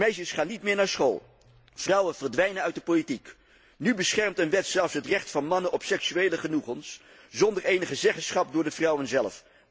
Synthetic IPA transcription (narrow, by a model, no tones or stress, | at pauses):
mɛjʃəsχaːnitmɪːɹnaːɹsχo̰lˠ | v̥rʌwənvərdʋɛjnənœɥt̚dəpolitik | nybəsχɛɹmtənʋɛtsɛlˠfsɦətrɛχtfɑnmɑnənɔpsɛksyejləχənuχəns | zɔndəɹejnəχəzɛχənsχɑp̚dʊːɹdəvrʌwənzɛlˠf